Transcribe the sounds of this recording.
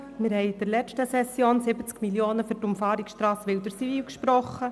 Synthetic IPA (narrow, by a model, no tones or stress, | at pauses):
mɪɾɦɛjd̥əɾlɛʃtəsɛsːjoːnsɪbət͡skmiljoːnəfyɾtʊmfɑːɾiksʃtɾɑːsʋɪldəɾsiviːlkʃpɾɔχːə